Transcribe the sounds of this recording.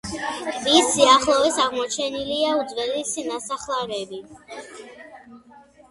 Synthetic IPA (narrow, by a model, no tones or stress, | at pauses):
isiaχlˠɔvɛsaʁmɔt͡ʃʰɛniliaud̪zvɛlisinasaχlˠaɾɛbi